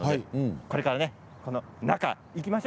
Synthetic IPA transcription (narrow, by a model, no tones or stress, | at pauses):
odeko̞ɾe̞kaɾane̞ | ko̞no̞naka̰ | ikʲimaɕ